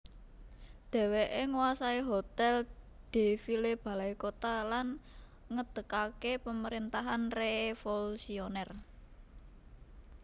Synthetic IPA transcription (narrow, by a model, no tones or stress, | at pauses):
d̪̥ɛ̤weʔeŋuwasaiɦot̪ɛl | d̪̥e̤fileb̥a̤laikot̪alan | ŋəd̪̥ə̤kakepəməɾint̪aɦanrefolusionɛr